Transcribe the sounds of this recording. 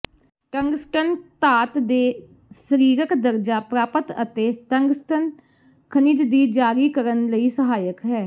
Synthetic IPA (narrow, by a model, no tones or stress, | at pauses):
ʈə̃ŋɡsʈənt̪aːt̪d̪eː | səɾiːɾəkd̪əɾd͡ʒaːpɾaːpət̪ət̪eːt̪əŋɡsʈən | kʰəniːd͡ʒd̪iːd͡ʒaːɾiːkəɾənləiːsəɦaːjəkɦɛː